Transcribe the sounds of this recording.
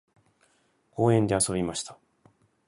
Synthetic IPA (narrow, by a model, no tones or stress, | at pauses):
ko̞ːẽ̞nd̪e̞aso̞bʲimaɕi̥t̪ḁ